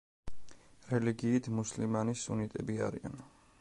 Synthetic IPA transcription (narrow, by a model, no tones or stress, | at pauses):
ɾɛliɡiːt̪ʰmuslimanisːṵnit̪ʼɛbia̰ɾia̰n